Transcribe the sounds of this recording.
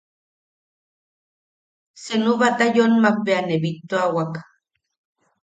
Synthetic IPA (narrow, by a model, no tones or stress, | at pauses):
senuβat̪ajonmak̚beaneβit̪ːoawak